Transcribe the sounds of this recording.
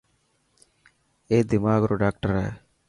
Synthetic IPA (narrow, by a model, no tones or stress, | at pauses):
eːd̪imaːɡuɾuɖaːk̚ʈɐɾḛː